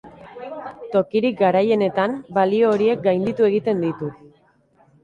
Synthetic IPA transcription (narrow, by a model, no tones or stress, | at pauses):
t̪o̞kiɾik̚ɡaɾaje̞ne̞t̪ambalio̞ːɾie̞k̚ɡajnd̪it̪ue̞ɣit̪e̞nd̪it̪u